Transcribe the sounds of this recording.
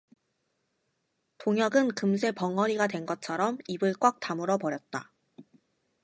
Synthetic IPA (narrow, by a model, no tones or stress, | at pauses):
toŋjʌɡɯnkɯmsʰe̞pʌŋʌɾiɡadwe̞nɡʌt͡ɕʰʌɾʌmibɯɭk͈wak̚t͈amɯɾʌpʌɾjʌt̚t͈a